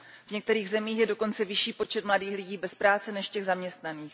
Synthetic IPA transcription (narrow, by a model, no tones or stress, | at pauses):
vɲɛk̚t̪ɛɾiːɣzɛmiːxjɛdo̞ko̞nt͡sɛvɪʃiːpo̞t͡ʃɛt̪mladiːxlɪɟiːbɛspɾaːt͡sɛnɛʃcɛɣzamɲɛst̪naniːx